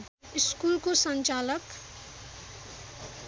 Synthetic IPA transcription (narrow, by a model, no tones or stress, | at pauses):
ɪskuːlkosənt͡ʃaːlək